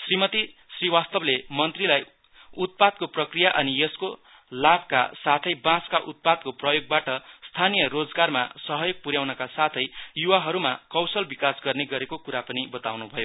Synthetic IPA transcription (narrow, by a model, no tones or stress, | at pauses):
srimʌt̪isriwast̪ʌblemʌnt̪rilaj | ut̪̚pad̪̚koprʌkrijaʔʌnijʌsko | labka̰sat̪ʰʌjbãskaʔut̪̚pad̪̚koprʌjoɡ̚baʈʌst̪ʰanijʌrod͡zɡarma̰sʌɦʌjoɡ̚puɾjawnʌkasat̪ʰʌjjuwaɦʌɾumakʌwsʌlbikasɡʌrneɡʌɾekokuɾapʌnibʌt̪awnubʱʌjo